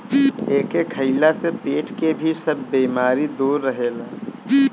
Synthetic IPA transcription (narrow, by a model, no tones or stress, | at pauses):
eːkekʰəɪlasepeːʈʰkebʱisəbʱːiːmaːɾid̪uːɾːəɦeːlaː